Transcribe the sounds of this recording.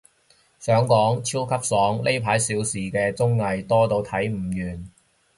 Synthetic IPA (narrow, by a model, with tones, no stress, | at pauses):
sœː˨˥ŋkɔː˨˥ŋt͡sʰiː˥wkʰɐ˥p̚sɔː˨˥ŋle˥jpʰaː˨˥jsiː˨˥wsiː˨kɛː˧t͡sʊ˥ŋːɐ˨˧jt̪ɔː˥t̪o˧wt̪ʰɐ˨˥jm̩˨˩jyː˨˩n